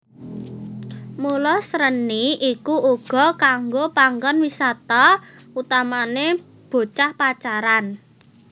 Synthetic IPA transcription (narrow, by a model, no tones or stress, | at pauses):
mulɔsɾəniʔikuʔuɡ̥ɔ̤kaŋɡopaŋɡɔnwisat̪aut̪amane | b̥o̤t͡ʃahpat͡ʃaɾan